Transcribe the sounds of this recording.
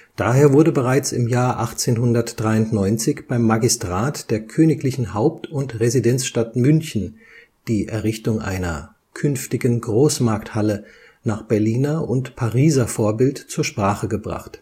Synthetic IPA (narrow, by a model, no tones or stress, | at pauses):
d̥aːɦeːɐvʊɐdəbəʁaɪt͡sɪmjaːɐʔaχt͡seːnɦʊndɐtd̥ʁaɪʊntnɔʏnt͡sɪçb̥aɪmːaɡistʁ̥aːtd̥eːɐkʰøːnɪklɪçn̩haʊp̚tʰʊntʁezidɛnt͡sʃtatmʏnçn̩ | d̥iːʔɛɐʁɪçtʊŋʔa̰ɪnɐ̰ | kʰʏnftɪɡənɡʁoːsmaɐk̚thalə | naːχb̥ɛɐliːnɐʔʊntpʰaʁiːzɐfoːɐbɪltt͡suːɐʃpʁ̥aːχəɡəbʁa̰χt